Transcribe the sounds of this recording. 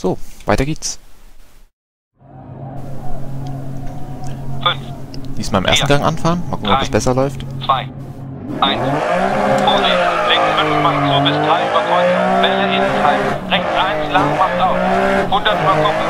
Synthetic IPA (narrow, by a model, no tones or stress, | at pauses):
z̥oːv̥aɪtɐɡeːts | fʏnfd̥iːsmaːlɪmḛɐstn̩ɡaŋʔa̰nfaːʁənmaːlkʰʊkn̩ɔpdasb̥ɛsɐlɔʏftt͡sv̥aɪ | ʔaɪns | fɔːziʁɪŋfʏnfmant͡soːɐbɪsd̥ʁaɪyːbɐt͡sɔʏb̥ɛləʔɪntʰaɪ̥ʁɛçtʁaɪnslaŋmastaʊfhʊndɐtmakɔ